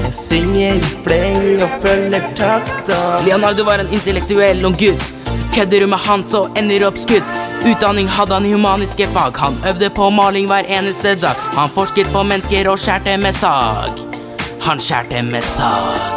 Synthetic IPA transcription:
jɑsʏŋːəɾpɽɛŋɔfœlːəʈʰɑkt̪ːlɪɔnɑld̪ʊʋɑɾeːnɪnt̪əlɛk̚t̪ʉɛlːɔɡʉt̪ | kʰœd̪əɾʉməhɑnsɔɛnːəɾɔpskʉt̪ʉːt̪̚d̪ɑːnɪŋɦɑd̪ːəhɑnhʉmɑːnɪskəfɑːɡhɑnœʋd̪əpʰɔmɑːlɪŋʋæːɾʔeːnəst̪ədɑ̰ːkhɑnfɔʂkət̪̚pʰɔmɛnːəskəɾɔʃæːʈəmɛsɑ̰ːɡ | hɑnɕæ̰ːʈəmɛsɑ̰ː

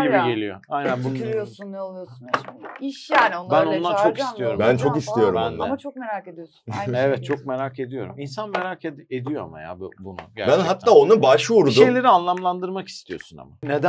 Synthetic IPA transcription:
ibiɡe̞lʲijo̰ajnænbuosunnlˠujosnaiʃjanonbænonlˠaɾt͡ʃʰo̞kist̪ijo̞ɾumbænt͡ʃʰo̞kist̪ijo̞ɾumbænːˠamat͡ʃʰok̚meɾaːked̪ijosnɛvɛt̪̚t͡ʃʰo̞k̚me̞ɾake̞d̪ijo̞ɾuminsanme̞ɾaːced̪ijo̞ama̰ja̰ːbubunṵɟæ̰bænɦat̪ʰːaːonubaʃvuɾud̪ʃuejlʲe̞ɾianlˠamlˠand̪ɯɾmaki̥st̪ʰijo̞̰suna̰ma̰ned̪æ

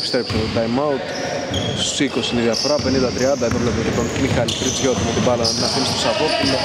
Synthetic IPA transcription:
pi̥st̪ɾepsod̪ɐjmɐut̪ | sikosiniðjɐfoɾɐpe̞nind̪ɐt̪ɾiɐnd̪ɐet̪oplop̪t̪it̪onmixɐlit̪ɾit͡sçot̪imet̪ibɐlɐnɐninɐfinist̪osɐtopulo

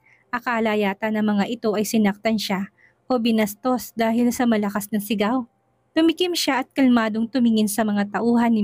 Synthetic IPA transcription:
ʔɐkalajaːt̪ɐnɐŋmɐŋaʔɪt̪o̞ʔɐjsɪnɐk̚t̪ɐnʃa | ʔo̞bɪnɐst̪o̞sd̪aːhɪlsɐmɐlɐkasnɐŋsɪɡaw | t̪ʊmɪkɪmʃaʔɐt̪̚kɐlmaːd̪oŋt̪ʊmɪŋɪnsɐmɐŋat̪ɐʔuːɦɐnːɪ

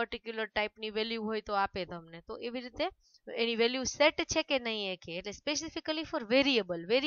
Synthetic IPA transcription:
pəɾʈikjuləɾʈaipniʋeljuɦojt̪oapet̪əmnet̪oʔeʋiɾit̪e | eñiʋeljuseʈt͡ʃʰekenəɦĩekʰeːʈlespesɪfikəlifɔɾʋeɾiəbəlʋeɾi

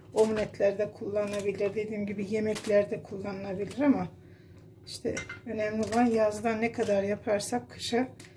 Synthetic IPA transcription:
omunɛt̪lʲæɾd̪ɛkʰulˠːanɯnabilʲiɾd̪e̞d̪iːmɟibije̞mɛcʰlʲæɾd̪ɛkʰulˠːanɯlˠabilʲiɾama | iʃt̪ʰɛ̰ø̞nɛmlʲilˠanjazd̪anːɛkʰad̪aɾjapʰaɾsakʰːɯ̥ʃa

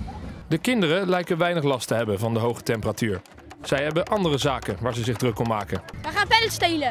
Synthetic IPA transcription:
dəkɪndərəlɛjkənʋɛjnəχlɑstəɦɛbənvɑndəɦowχə̥tɛmpəratyːɹ | z̥ɛjɦɛbənʔɑndərəzaːkənʋaːɹzəzɪχdrɵkɔmːaːkəndaχaːnfɛlstejlə

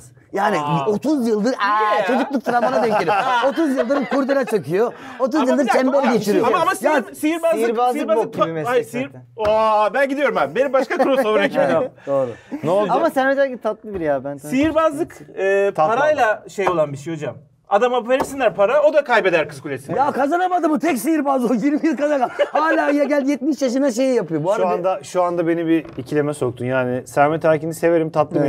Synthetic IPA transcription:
jaːnio̞t̪ʰuzjɯlˠd̪ɯɾt͡ʃʰo̞d͡ʒuklˠuk̚t̪ʰɾamanad̪ɛɲeio̞t̪uzjɯlˠd̪ɯɾɯkʰuɾd̪iɾat͡ʃʰakɯjoot̪̬uzjɯlˠd̪ɯɾsɛmbolʲɟet͡ʃʰiɾijomaamasjaːsijiɾbazlˠiɾbazˠasɾabænɟid̪ijo̞ɾumambenimbaʃkakʰɾosobɾakid̪oɾʊnoamasɛned͡ʒ̪ait̪ʰat̪lˠɯbiɾjabænsijiɾbazlˠɯkɯːt̪ʰat̪paɾˠajlˠaʃejo̞lˠanbiʃejho̞d͡ʒam | ad̪amapeɾisinʲæɾpʰaɾao̞d̪akʰajbe̞d̪æɾkɯzkʰulʲesimjakʰazanabad̪ɯmɯt̪ʰɛcsijiɾbaːzojiɾmijilʲˠkazakahaːlʲaːjaɟælʲd̪jɛt̪̚miʃjaʃɯnaʃ̬e̞jijapɯjobuaʃɾuand̪aʃuand̪abe̞nibiːcʰilʲe̞mɛso̞k̚t̪ʰunjaːnɪsæɾmɛt̪ʰaɾcinise̞veɾimt̪ʰat̪lˠɯ

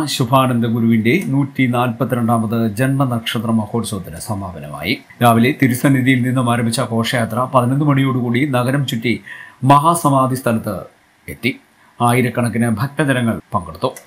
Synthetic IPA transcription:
ɕubʱaːɳɐnd̪ɐɡuɾuʋinde̞nuːtːinaːlpɐt̪ːiɾeɳɖaːmɐðɨd͡ʑenmɐnɐkʂɐt̪rɐmɐho̞ːrsoːt̪ːinɨsɐmaːbɐnɐ̰ma̰ːjḭ | ɾaːʋilet̪iɾusɐniðijilninːumaːɾɐmbʱit͡ɕːɐko̞ːʂɐjaːt̪rɐpɐðinɐnːɨmɐɽijo̞ːɽukuːɽinɐɡɐɾɐmt͡ɕutːimɐɦaːsɐmaːd̪ʱist̪ʰɐlɐt̪ːɨ̰ | e̞t̪ːi | aːjiɾɐkːɐɳɐk̬ːinɨbʱɐk̚t̪ɐd̪ɐɾɐŋːɐɭpɐŋɡɐɽut̪ːu

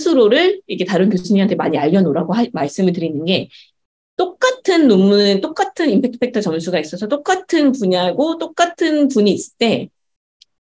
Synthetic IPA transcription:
sʰuɾoɾɯɭiketaɾɯnkjosʰuɲiɦantʰe̞maɲiaʎːʌnoɾaɡoamaɭs͈ɯmɯɭtɯɾinɯnɡe̞ | t͈ok̚k͈atʰɯnːomːunɯnt͈ok͈̚atʰɯnimpʰe̞k̚pʰe̞k̚tʰʌt͡ɕʌnsʰuɡais͈ʌsʰʌt͈ok͈atʰɯnpuɲaɡot͈ok̚k͈atʰɯnpuɲiːs͈ɯt͈e̞

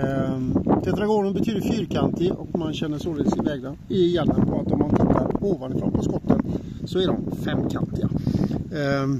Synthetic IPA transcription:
d̪̥ɛt̪ɾaɡoːɡənbɛt̪ʰyːd̪fyːɾkʰant̪ɪʔɔkmanɕɛnːəʂoːlsɪvɛːɡd̪ənɪjɛnːənpʰɔat̪ɔmːant̪ʰɪt̪ʰːaɾoːvanɪfɾɔ̰npʰɔskɔt̪ʰːən | sɔɛɖɔmfɛmːkʰa̰nt̪ɪa̰

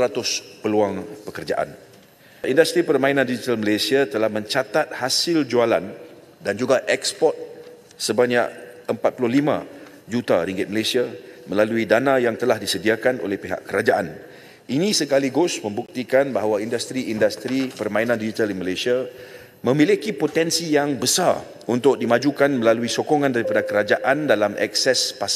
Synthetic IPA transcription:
ɾat̪ʊspəluaŋpəkərd͡ʒaʔa̰n | ʔindast̪ɾipərmãinãndid͡ʒit̪alməlesiat̪əlahmə̃ɲt͡ʃat̪at̪̚hasɪld͡ʒualan | dand͡ʒuɡaʔɛkspɔrt̪̚ | səbaɲaʔəmpat̪̚pulʊhlimã̰ | d͡ʒut̪aɾiŋɡɪt̪̚məlesiaməlaluidanajaŋt̪əlahdisədiakanʔo̰lɛhpeɦa̰ʔkəɾad͡ʒaʔa̰n | ʔinĩsəkaliɡʊsmə̃mbuk̚t̪ikanbaɦawaindast̪ɾiʔindast̪ɾipərmãinãndid͡ʒit̪aliməlesia | mə̃milikipot̪ɛnsijaŋbəsar | unt̪ʊk̚dimãd͡ʒukanməlaluisokoŋãndaɾipadakəɾad͡ʒaʔandalamʔɛ̰ksɛspas

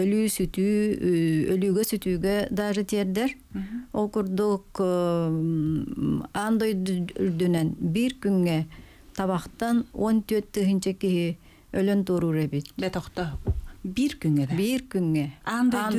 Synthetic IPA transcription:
ølyːsyt̪yː | ølyːɡøsyt̪yːɡød̪aːʐɯt̪iɛɾd̪ɛɾ | olˠkuɾd̪uq | and̪ojɾd̪ynønbiɾkyŋːɛ | t̪ɑβɑqt̪anont̪øt̪̚t̪ːɯɦɯnt͡ʃɛkiɦi | ølønt̪uːɾuːɾebit̪̚bet̪ɔqt̪ɔbiɾkyŋɛbiɾkyŋːɛnd̪

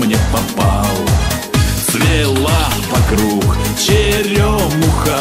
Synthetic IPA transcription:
mnʲɛpɐpalˠə | svʲelˠavɐkɾukt͡ɕɪɾʲomʊxa

